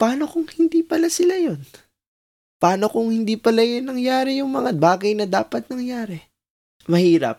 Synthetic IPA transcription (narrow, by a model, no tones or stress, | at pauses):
paːno̞kʊŋhɪnd̪iːpɐlasɪlajon | pɐaːno̞kʊŋhɪnd̪iːpɐlajonːɐŋjaːɾɛjʊŋmɐŋabaːɡɐjnɐd̪aːpɐt̪̚nɐŋjaːɾɛ | mɐhiːɾɐ̰p̚